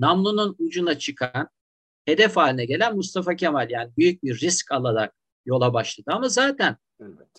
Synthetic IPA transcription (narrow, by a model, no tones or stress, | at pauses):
namlˠununud͡ʒunat͡ʃʰɯkʰan | he̞d̪ɛfaːlʲinɛɟe̞lʲænmust̪ʰafacʰemalʲjaːnibyjyc̚biɾːiscʰalˠaɾak̚ | jo̞lˠabaʃlˠad̪ɯamazaːt̪ʰæn